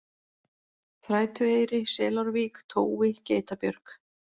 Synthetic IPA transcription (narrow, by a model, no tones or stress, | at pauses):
θɾaːjt̪ʏejɾɪsɛːlawɾviːkt̪ʰoːwvɪceːjt̪apjœɾk